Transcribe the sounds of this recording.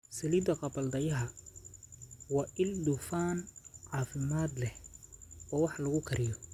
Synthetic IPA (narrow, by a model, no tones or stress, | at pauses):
sɐliːd̪ɐqɑbɐld̪ɐjɐɦɐ | wɑːʔɪld̪ʊfaːnʕɑːfɪmaːd̪lɛh | ɔːwɑħlɐɣʊkʰɐɾʔɪjɔ